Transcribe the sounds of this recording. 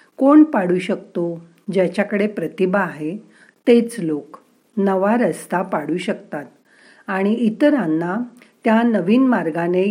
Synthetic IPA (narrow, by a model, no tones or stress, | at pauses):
koɳpaɽuɕəkt̪o | d͡ʑat͡ɕjakəɽepɾət̪ibaːɦe | t̪et͡slok | nəʋaɾəst̪apaɽuːɕəkt̪at̪̚ | aɽ̃iit̪ɾanːa | t̪janəʋiːnmaɾɡane